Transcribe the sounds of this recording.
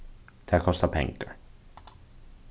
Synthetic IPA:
d̪̥æːkʰɔst̪apʰɛ̰ŋɡa̰ɾ

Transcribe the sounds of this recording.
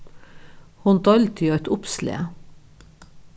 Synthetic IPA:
hʊnd̪ɑlt̪ʰiɑɛt̪ʊpslḛː

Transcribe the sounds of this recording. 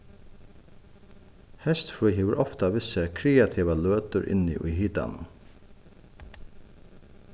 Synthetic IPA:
hɛst̪fɹuhiːʋəɾʔɔft̪aʋɪsəkʰɾeːat̪ʰiːʋaløːt̪əɹʔɪ̰nḭːʔḭːɦiːt̪a̰n

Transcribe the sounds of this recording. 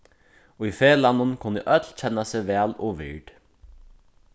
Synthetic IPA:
ɔifeːlanːʊnkʰʊnːəʔœt̪lt͡ɕʰɛnːaseʋɛːlɔːʋɪ̰ɹɖ̥

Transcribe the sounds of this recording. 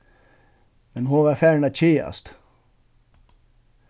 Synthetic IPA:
mɛnɦʊʋɑɾfæːɳat͡ɕeːa̰st̪

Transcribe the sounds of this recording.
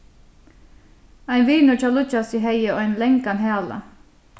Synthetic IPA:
æɪnʋiːnʉt͡ʃɑlʊt͡ʃɑsiːɦœɪəo̰ːæɪnlɛŋkɑnheɑlə̰

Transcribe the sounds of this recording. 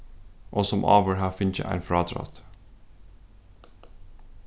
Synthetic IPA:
ʔoːsɔmʔɑ̰ːʋəɹhɑːfɪnçə̰ʔæ̰ɪnfɾɑːd̪ɾɑ̰t̪

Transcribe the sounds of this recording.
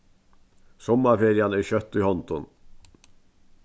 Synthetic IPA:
sɔmɑfeːɾɪɑnəæːçœt̪ːiːhɔnt̪ɔn

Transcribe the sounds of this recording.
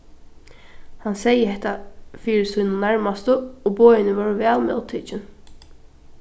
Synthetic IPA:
hansɛjəhɛht̪afiːɾɪsujnʊnæɹmast̪əoːbɔːjɪnəvɑːɹvæːlmɛ̰ʊt̪ʰiːt͡ʃɪn

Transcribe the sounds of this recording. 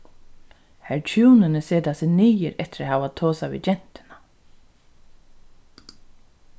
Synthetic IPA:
hɛɹt͡ʃʰuːnɪnɪseːt̪asɪniːjɪɾɛht̪ɪɾahaːvat̪ʰoːsavḭd͡ʒɛn̥t̪ɪ̥na

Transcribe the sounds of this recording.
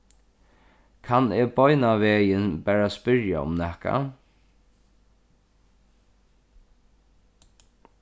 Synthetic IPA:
kʰanɛbɔʏnaʋeːjɪnbæːɹaspɪɾja̰ʊ̰mnɛhka̰

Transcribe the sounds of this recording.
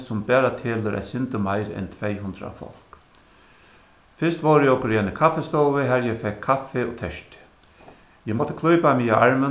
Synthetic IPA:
sʊmbɛːɾat̪ʰeːləɾʔæ̰t̪sɪnt̪əmajɾɛ̰nt̪ʰvejɦʊnd̪ɾa̰fɔ̰l̥k | fɪst̪ʋoːɾɪjɛɔkːʊɾjɛnɪkʰafːɛst̪oːwʋɪɦɛɾjɛfɛkʰːafɛɔ̰t̪ʰɛʂt̪ɪ̥ | jɛmɔt̪ːɪ̥kʰlˠɔjpamiːjaʔaɹmə

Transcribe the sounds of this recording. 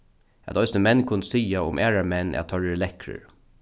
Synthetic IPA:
æ̰t̪ɔʏsnəmɛnːkʰʊnt̪siːaʊ̰mʔæːɹaɹmɛnːʔɛ̰t̪ʰœɹəlɛkɾə̰ɹ

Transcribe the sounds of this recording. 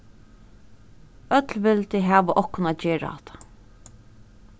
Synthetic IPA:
œt̪lʋɪlt̪ɪɦæːʋəʔɔhkʊnaːt̪̚d͡ʒeːɹa̰ɑ̰t̪ʰḁ

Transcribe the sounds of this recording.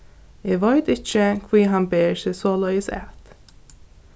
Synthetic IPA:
ɪːɡʋɔjt̪ɪt͡ʃːəkʰviːɦanbeːsɪsoːlœjəsɛ̰t̪

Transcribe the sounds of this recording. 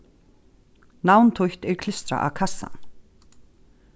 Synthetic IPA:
nawnt̪ʰʊjht̪ɛɾ̥kʰlɪst̪ɾa̰ʔa̰wkʰasːa̰n

